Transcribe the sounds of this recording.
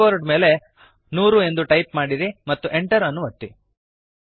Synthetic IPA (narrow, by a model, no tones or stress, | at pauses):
oːɾɖme̞ːle̞ | nuːɾue̞nd̪uʈɐjp̚maːɽiɾimɐt̪ːuʔe̞ɳʈɐɾɐnːuʋɐt̪ːi